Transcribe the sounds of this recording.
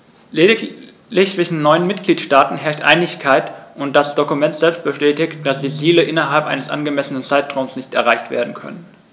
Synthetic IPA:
le | lɪçt͡sɪʃn̩nɔʏənmɪtɡ̥liːtʃtaːtn̩ɦɛɐçtʔa̰ɪnɪçkʰaɪtʔʊnt̚d̥asd̥okumɛntz̥ɛlpst̚b̥əʃtɛːtɪçt̚d̥asd̥iːziːləʔɪnɐɦalpʔaɪnəsʔa̰nɡəmɛsənənt͡saɪtʁ̥aʊmsnɪçtɛɐʁaɪçtv̥ḛːɐdn̩kʰœ̰nən

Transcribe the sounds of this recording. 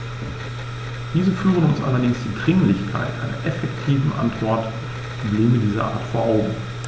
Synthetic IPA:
d̥iːzəfyːʁənʊnsʔa̰lɐdɪŋsd̥iːdʁɪŋlɪçkʰa̰ɪtʔa̰ɪnɐ̰ʔɛfɛktʰiːvn̩ʔa̰ntv̥ɔɐt | pʁ̥obleːmədiːzɐʔa̰ːɐtfoːɐʔaʊɡŋ̩

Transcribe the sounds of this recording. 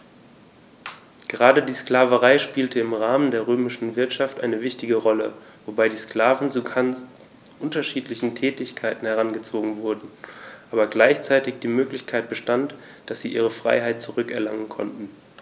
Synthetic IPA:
ɡ̥əʁaːdədiːsklaːvəʁaɪʃpiːltʰəɪmʁaːməndeːɐʁøːmɪʃn̩vɪɐtʃaftʔaɪnəvɪçtɪɡəʁɔlə | vobaɪdiːskl̥aːvn̩t͡suɡa | ʔʊntɐʃiːtlɪçn̩tʰɛːtɪçkʰaɪtn̩hɛʁanɡət͡soːɡŋ̩vʊɐdn̩ʔaːbɐɡlaɪçt͡saɪtɪçd̥iːmøːklɪçkʰaɪt̚b̥əʃtant | d̥asz̥iːʔḭːʁəfʁ̥a̰ɪɦaɪt̚t͡suʁʏkɛɐlaŋənkʰɔ̰ntn̩

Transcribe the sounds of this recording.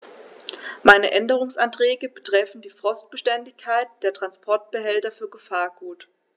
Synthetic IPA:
maɪnəʔɛndəʁ̞ʊŋsʔantʁ̥ɛːɡəbətʁ̥ɛfn̩diːfʁ̥ɔst̚b̥əʃtɛndɪçkʰːaɪt̚d̥eːɐtʁ̥anspʰɔɐt̚b̥əɦɛltɐfyːɐɡəfaːɐɡuːt

